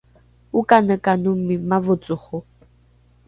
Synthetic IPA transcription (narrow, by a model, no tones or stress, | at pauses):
ukʼanəkʼanumimavʊt͡sʼʊχʊ